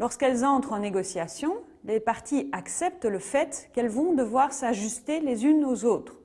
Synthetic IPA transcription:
lɔʁskɛlzɑ̃t̪χɑ̃neɡɔsjasjɔ̃ | lepaʁt̪ʰiaksɛp̚t̪ləfɛt̪kɛlvɔ̃d̪əvwaʁsaʒyst̪elezynozoːt̪χ

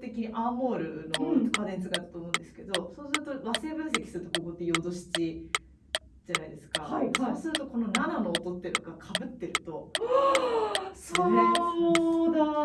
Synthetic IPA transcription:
t̪e̞kʲiɲ̟iʔaːmo̞ːɾɯ̟no̞kad̪ẽɲit͡sɨ̥kaɾɯ̥t̪o̞ːmõnd̪e̞sɨ̥ke̞d̪o̞soːsɨɾɯ̟t̪o̞βase̞ːbɯ̟̃ɰ̃s̬e̞kʲi̥sɨɾɯ̟t̪o̞ko̞ko̞t̪ːe̞jo̞d̪o̞ɕi̥t͡ɕi | d͡ʑanaid̪e̞sɨ̥kahaiasɨɾɯ̟t̪o̞ko̞no̞nanano̞ːt̪o̞t̪ːeɾɯ̟oɡakʰabɯ̟t̪ːe̞ɾɯ̟t̪o̞ | sosod̪a

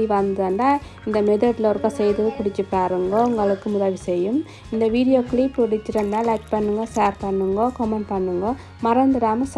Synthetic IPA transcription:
iʋɐnd̪ɐɐndaː | ɪnd̪ɐmɛðɐʈloːɾkɐ̃sɛjðɯɯkɪɽɪt͡ʃːɯpːaːɾɯŋɡɐʊŋɡɐɭɯkːɯmʊðɐʋisɛjːɯm | ɪnd̪ɐʋiːɽɪjoːkɭipːɪɽɪt͡ʃːɪɾɐnd̪aːlɐkpɐɳːɯŋɡɐsaːɾpɐɳːɯŋɡɐkɔmɐɳ̚pɐɳːɯŋɡɐ | mɐɾɐnd̪ɯɾaːmɐs

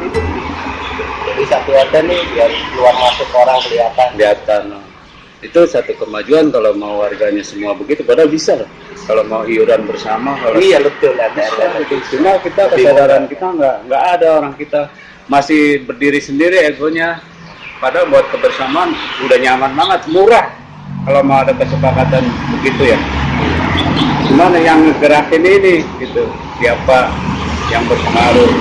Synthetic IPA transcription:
it̪u | d͡ʒadisat̪uat̪anɪialuarmasʊkoɾaŋbəliat̪adiat̪ana | it̪usat̪ukəmad͡ʒuankalomauwarɡaɲasəmuabəɡit̪upadabisalah | kalomauɦiuɾanbərsamakalaaət̪ʊladatisunakit̪akəsadaɾankit̪aŋɡaŋɡaʔːdaoɾaŋkit̪a | masɪhbərdiɾisəndiɾieɡoɲa | padabuat̪̚kəbərsamaːnudahɲamanbaŋət̪̚muɾah | kalomawadakəsəpakat̪anbəɡit̪uja | ɡimanajaŋəɡəɾakɪniniɡit̪u | siapajaŋbərpəŋaɾu

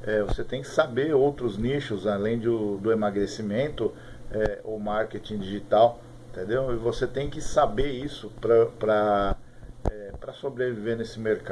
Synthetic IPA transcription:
ɛvoset̪ẽj̃kɪ̥sabeowt̪ɾʊzniʃʊzalẽj̃d̪ʊd̪ʊemaɡɾesimẽnt̪ʊ | ɛo̰maɾket͡ʃĩd͡ʒiʒit̪aw | ĩt̪ẽnd̪ewɪvoset̪ẽj̃kɪsabeisʊpɾɐpɾɐ | ɛpɾɐsobɾevivenesɪmeɾka

